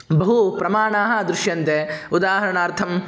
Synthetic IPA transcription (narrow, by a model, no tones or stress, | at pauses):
bɐɦupɾɐmaːɳaːɦɐ̆d̪ɾuʃjɐnt̪eud̪aːɦɐɾɐɳaːɾt̪ʰɐm